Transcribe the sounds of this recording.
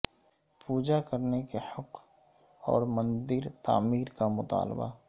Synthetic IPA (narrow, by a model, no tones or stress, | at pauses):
puːd͡ʒakəɾnekehɐq | ɔ̰ːɾmə̃nd̪ɪɾt̪a̰ːmiːɾkamʊt̪a̰ːlba̰